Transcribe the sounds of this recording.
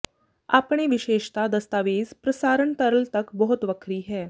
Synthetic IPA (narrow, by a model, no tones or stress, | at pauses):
a̰pɳeʋiɕeɕt̪ad̪əst̪aʋiːzpɾəsaɾəɳt̪əɾəlt̪əkbəɦut̪ʋəkʰɾiːɦɛ